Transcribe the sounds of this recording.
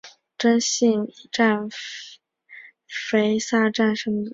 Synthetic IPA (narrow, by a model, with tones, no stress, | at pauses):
ʈ͡ʂə˥nɕi˥˩ŋi˧˩ʈ͡ʂa˥˩n | fe˧˥ɪsa˥˧ʈ͡ʂa˥˩nʂə˧˥mə˧˨